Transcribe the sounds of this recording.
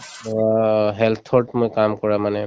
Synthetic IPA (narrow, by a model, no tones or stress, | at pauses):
ɦɛlt̪ʰɔɹʈmojkamkɔɹamanɛ